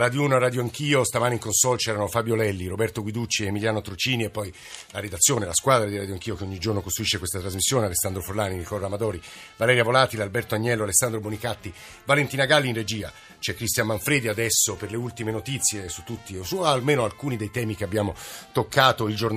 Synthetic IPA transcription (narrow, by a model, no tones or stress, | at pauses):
rad̪junoaraːd̪joaŋkiːost̪amaːneiŋkonsɔlt͡ʃɛːɾanofaːbjolɛlːiɾobɛrt̪oɡwid̪ut͡ʃːiemiljaːnot̪ɾot͡ʃiːniepːɔj | laɾed̪at̪sːjoːnelaskwaːd̪ɾad̪iɾaːd̪joaŋk̟iːokeoɲːid͡ʒornokost̪ɾuiʃːekwest̪at̪ɾazmisːjoːnealesːand̪ɾoforlaːninikɔlamad̪ɔːɾivalɛːɾjavolaːt̪ilalbɛrt̪oaɲːɛlːoalesːand̪ɾobonikat̪ːi | valent̪iːnaɡalːinred͡ʒiːa̰ | t͡ʃɛkːɾist̪jammaɱfɾeːd̪iad̪ɛsːoperleult̪imenot̪it̪sːjesu̥t̪ːut̪ːisualmeːnoalkuːnid̪ejt̪ɛːmik̟eabːjaːmot̪okʰːaːt̪oild͡ʒorn